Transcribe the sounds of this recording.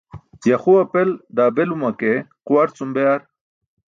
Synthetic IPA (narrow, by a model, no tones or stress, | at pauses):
jaxuɐpeld̪aːbelumakequwɐɾt͡sumbeaɾ